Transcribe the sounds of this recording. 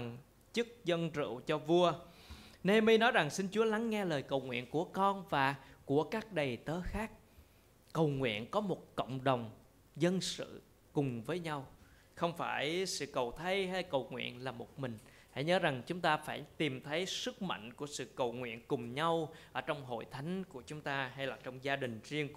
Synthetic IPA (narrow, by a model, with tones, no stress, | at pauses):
ŋ | t͡ɕɨ˦˥k̚zə˧nt͡ɕɨ̰˧˨wt͡ɕɔ˧vu˧əne˧mi˧nɔ˨˦jza˨˩ŋsi˧nt͡ɕu˨˦əla˨˦ŋːɛ˧ləː˨˩jkə˨˩wŋwḭ˧˨ənku˧˩əkɔ˧nvaː˨˩ku˧˩əkaː˦˥k̚ɗə˨˩jt̪əː˨˦xaː˦˥k̚ | kə˨˩wŋwḭ˧˨ənkɔ˨˦mo˨˩t̚kə̰˧˨wŋ͡mɗə˨˩wŋ͡m | zə˧nsɨ̰˧˨ | kʊ˨˩ŋ͡mvəː˨˦jɲa˧w | xə˧wŋ͡mfaː˧˩jsɨ̰˧˨kə˨˩wt̪ʰə˧jɦa˧jkə˨˩wŋwḭ˧˨ənlaː˨˩mo˨˩t̚mï˨˩ŋ̟ | ha̰˧˩jɲəː˨˦za˨˩ŋt͡ɕʊ˨˦ŋ͡mt̪aː˧faː˧˩jt̪i˨˩mt̪ʰə˨˦jsɨ˦˥k̚ma̰˧˨jŋ̟ku˧˩əsɨ̰˧˨kə˨˩wŋwḭ˧˨ənkʊ˨˩ŋ͡mɲa˧wʔəː˧˩t͡ɕɔ˧wŋ͡mɦo̰˧˨jt̪ʰa˨˦jŋ̟ku˧˩ət͡ɕʊ˨˦ŋ͡mt̪aː˧ha˧jlaː˨˩t͡ɕɔ˧wŋ͡mzaː˧ɗï˨˩ŋ̟zi˧əŋ